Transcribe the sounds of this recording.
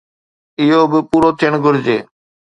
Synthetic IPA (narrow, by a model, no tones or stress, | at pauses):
ɪɦoːbɪpuːɾoːt̪ʰiəɳ̃ɡʱʊɾd͡ʑeː